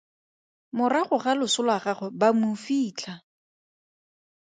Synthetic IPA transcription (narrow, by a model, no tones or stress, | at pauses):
mʊraχʊχalʊsʊlwaχaχʊbamʊfiːt͡ɬʰa